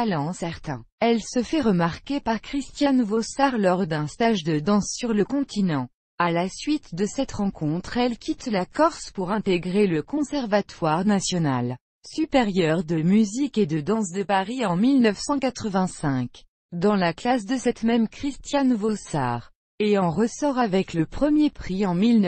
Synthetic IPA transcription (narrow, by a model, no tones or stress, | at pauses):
alɑ̃sɛʁt̪ɛ̰̃ɛlsəfɛʁəmaʁkʲepaʁkχist̪janvosaʁlɔʁd̪ɛ̃st̪aʒd̪əd̪ɑ̃sːyʁləkɔ̃t̪ʰinɑ̃ | alasɥit̪d̪əsɛt̪ʁɑ̃kʰɔ̃t̪χɛlkʲʰit̪lakɔʁspuʁɛ̃t̪eɡʁeləkɔ̃sɛʁvat̪waʁnasjɔnal | sypeʁjœʁd̪əmyziked̪əd̪ɑ̃s̬d̪əpaʁiɑ̃milnəfsɑ̃kat̪χəvɛ̃sɛ̃k | d̪ɑ̃laklas̬d̪əsɛt̪mɛmkχist̪janvosa̰ʁ | eɑ̃ʁəsɔʁavɛkləpχəmjepχiɑ̃miln